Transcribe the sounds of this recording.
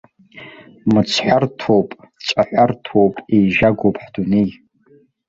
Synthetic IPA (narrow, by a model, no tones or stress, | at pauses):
mɨt͡sʰħʷartʰowpʼt͡sʷʼaħʷartʰowpʼejʒaɡʷowpʰʼħd̥unej